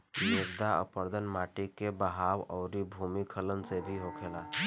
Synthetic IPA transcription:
d͡ʒʊɾd̪aə̰pəɾd̪ʱənmaːʈikebəɦaːwɔːɾibʱumikʰələnsebʱiɦokʰela

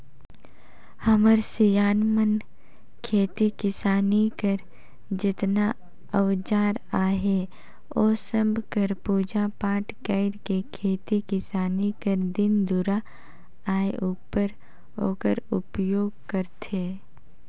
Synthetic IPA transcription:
hɐməɾsijaːnmən | kʰeːt̪ikɪsaːnikəɾ | d͡ʒɪt̪na | əʋd͡ʒaːɾaːɦe | oːsəbʱkəɾpuːd͡ʒapãːʈkəɪɾkekʰeːt̪ikɪsaːnikəɾd̪ɪnd̪uɾa | aːeʔʊpəɾ | o̰ːkəɾʊ̰pjoːɡ̚kəɾt̪ʰeː

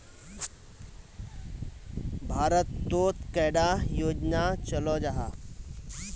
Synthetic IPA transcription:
bʱaɾət̪ːot̪kɛɽajod͡ʑnat͡ɕəlɔd͡ʑaɦa

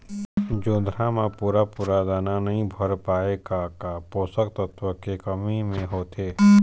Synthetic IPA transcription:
d͡ʒõːd̪ʱɾamãpuːɾapuːɾad̪aːnanɐɦĩbʱɐɾpaːeɡakapoːsəkt̪ət̪ʋəkekəmimẽɦoːt̪eː

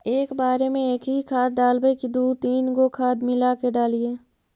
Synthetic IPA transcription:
eːkbaːɾemẽeːkɦikʰaːd̪̚ːaːlbəikid̪uːt̪iːnɡokʰaːd̪mɪlakeɖaːlieː

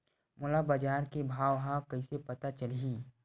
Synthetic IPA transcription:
mʊlabəd͡ʒaːɾkebʱaːʋɦakɐisepɐt̪at͡ʃəliː

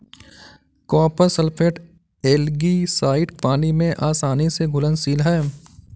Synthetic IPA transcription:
kɔːpəɾsəlpʰeːʈ | eːlɡisaːɪʈpaːnimẽʔaːsaːniseɡʱʊlənsiːlɦɛː

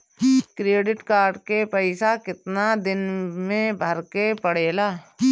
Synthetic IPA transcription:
kɾeːɖɪʈkaːɾɖkepɛɪsakɪt̪nad̪ɪnmẽbʱɐɾkepəɽ̤eːlaː

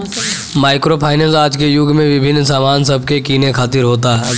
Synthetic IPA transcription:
maːɪkɾoːpʰaːɪnəsaːd͡ʒkejʊɡmẽʋɪbʱɪnːsaːmaːnsɐb̚ʱkekiːnekʰaːt̪ɪɾɦoːt̪aɦɛ

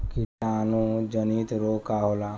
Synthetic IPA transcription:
kisanũd͡ʒəniːt̪ɾoːkaɦola

